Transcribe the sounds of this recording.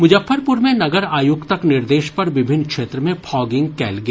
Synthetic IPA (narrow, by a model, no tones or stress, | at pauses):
mʊd͡ʒəfːəɾpʊɾmẽnɐɡəɾaːjʊɡt̪ɐknɪɾd̪eːʃpɐɾʋɪbʱɪnːkʃeːt̪ɾəmẽpʰɔːɡɪ̃ŋɡkɛ̰ːlɡɐeː